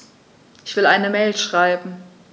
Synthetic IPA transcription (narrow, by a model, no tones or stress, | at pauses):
ʔɪçv̥ɪlaɪnəmɛːlʃʁ̥aɪbm̩